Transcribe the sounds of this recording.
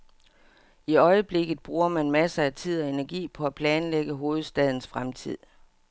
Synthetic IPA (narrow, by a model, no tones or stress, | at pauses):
iɒ̽ɪəb̥le̝ɡ̥ð̞̩ˠb̥ʁuːɐmænmæsəæt͡sʰið̰ˠɒ̽e̝næɐɡ̥ḭːpʰɒ̽æpʰlɛːnleɡ̥əɦo̝ːð̞̩ˠsd̥ɛð̞ˠn̩sfʁamt͡sʰḭð̞̰ˠ